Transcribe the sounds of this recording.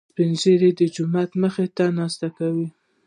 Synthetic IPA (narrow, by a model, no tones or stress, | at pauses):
pɪnzeɾed̪əd͡ʒʊmat̪məxet̪anɑst̪akawi